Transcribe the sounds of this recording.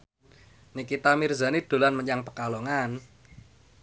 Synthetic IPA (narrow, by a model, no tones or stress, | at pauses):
nikit̪amirza̤nid̪̥o̤lanməɲaŋpəkalɔŋan